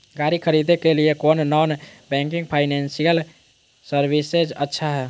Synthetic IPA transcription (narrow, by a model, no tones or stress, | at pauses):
ɡaɾikʰəɾid̪ekelijekonnɔnbɛ̃ŋkiŋɡpʰaɪnensijəl | səɾbised͡ʒətːʃʰaɦɛ